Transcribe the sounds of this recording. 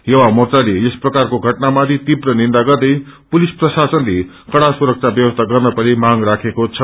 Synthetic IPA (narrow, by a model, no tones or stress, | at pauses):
jʌwamʌrt͡saleesprʌkarkoɡʱʌʈnamad̪ʱit̪ibrʌnind̪aɡʌrd̪ʌj | pulisprʌsasʌnle | kʌɽasuɾʌk̚t͡sʰabjʌwʌst̪ʰaɡʌrnʌpʌɾimaŋrakʰekot͡sʰʌ